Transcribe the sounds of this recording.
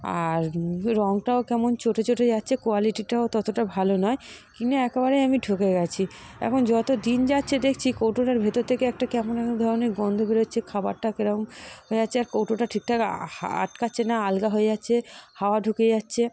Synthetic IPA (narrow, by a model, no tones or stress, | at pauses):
a̰ɾɾɔŋʈaokɛmont͡ɕʰoʈʰet͡ɕʰoʈʰed͡ʑatːɕʰekoaliʈiʈaot̪ɔt̪oʈabʱalonɔekinaɛkebaɾejamiɖʱukeɡɛt͡ɕʰi | ɛ̰kʰond͡ʑɔt̪od̪ind͡ʑatːɕʰed̪ekʰt͡ɕʰikowʈoʈaɾbʱet̪oɾt̪ʰekeɛk̚ʈakɛmonɛkd̪ʱɔɾoneɾɡɔnd̪ʱobeɾoɕʰekʰaba̰ɾʈakeɾamɦoed͡ʑatːɕʰeaɾkowʈoʈaʈʰik̚ʈahaa̰ʈkatːɕʰenaalɡaɦoed͡ʑatːɕʰehaoaɖʱuked͡ʑatːɕʰe